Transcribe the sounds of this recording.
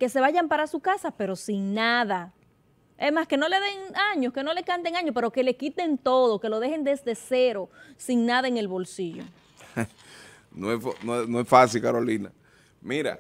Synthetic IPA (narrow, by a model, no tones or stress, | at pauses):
ke̞se̞βaʝampaɾasukasape̞ɾo̞siŋnaða | esmaske̞no̞le̞ðe̞ŋaɲo̞ske̞no̞lekant̪eŋaɲospe̞ɾo̞ke̞le̞kit̪e̞nt̪o̞ðoke̞lo̞ð̞e̞he̞nd̪e̞zd̪e̞seɾo̞siŋnaðaeŋe̞lβo̞lsiʝo̞̰ | noesfnoesnoesfasilkaɾolina̰ | miɾa̰